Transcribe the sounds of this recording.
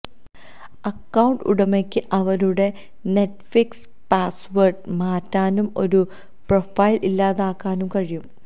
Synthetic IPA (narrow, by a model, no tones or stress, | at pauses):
ɐkːɐwuɳɖṵɽɐmekʲːɨʔɐʋɐɾuɽe̞ | ne̞ʈfiks | paːsʋɐrɖmaːtːaːnumo̞̰ɾu | profɐjlʔilːaːðaːkːaːnumkɐɻijum